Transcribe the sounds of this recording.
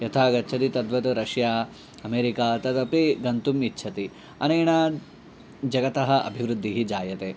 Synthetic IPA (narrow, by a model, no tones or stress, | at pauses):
jɐt̪ʰaːɡɐtːt͡ʃʰɐt̪it̪ɐd̪ʋɐt̪uɾɐʂjaː | ɐmeːɾikaːt̪ɐt̪ɐpeɡɐnt̪umitːʃʰɐt̪i | ɐnɐːɳɐ | d͡ʒɐɡɐt̪ɐɦɐʔɐ̰bʱiʋɾud̪ːiɦid͡ʒaːjɐt̪eː